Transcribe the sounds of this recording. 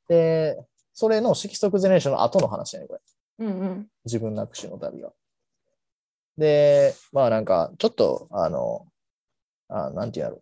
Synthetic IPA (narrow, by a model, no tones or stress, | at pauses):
d̪̥e̞ | so̞ɾe̞no̞ɕikʲi̥so̞k̬ɯ̟zeɾeɕõnːo̰ʔat̪o̞no̞ɦana̰ɕi̥anḛkoɾe | ɯ̃ɴɯ̃ɴ | d͡ʑibɯ̟̃nːakɯ̟̥ɕinoo̰t̪a̰bʲḭɡa̰ | d̪e̞ | maːnãŋka̰t͡ɕo̞t̪ːo̰a̰no̰ | a̰nãnt̪eiĩ̟̰a̰ɯ̟